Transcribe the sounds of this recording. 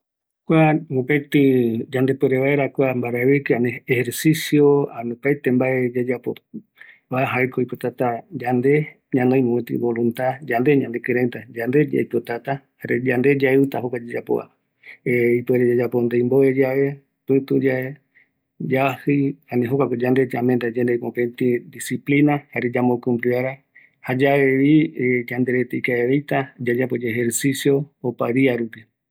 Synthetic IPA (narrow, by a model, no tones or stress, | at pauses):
kʷanũpet̪ɨd͡ʒand̪e̞peɾeβaeɾakʷambaɾaeβikeaneeheɾsisjoanõpajt̪embaʔed͡ʒad͡ʒapo̰ | βaeɦaekojpot̪at̪ad͡ʒand̪e̞ | ɲãnõj̃mõẽt̪ḭβolũnt̪ad͡ʒand̪e̞ɲãnd̪ekɨɾet̪ad͡ʒand̪e̞d͡ʒa̰jpot̪at̪a | haɾed͡ʒand̪ed͡ʒaeɨt̪aɦokʷad͡ʒad͡ʒapo̰a̰ | eipoeɾed͡ʒad͡ʒapond̪ejmboed͡ʒaβe̞ | pɨ̃t̪ud͡ʒae | d͡ʒahɨjhanĩɦokʷakod͡ʒand̪e̞d͡ʒamend̪ad͡ʒand̪ejkõpent̪id̪isiplinahaɾed͡ʒamokɨmbɾɨaɾa | had͡ʒaeβid͡ʒand̪eɾet̪ejkaeβejt̪ad͡ʒad͡ʒapod͡ʒehɦeɾsisjo̞ːpaɾiaɾupi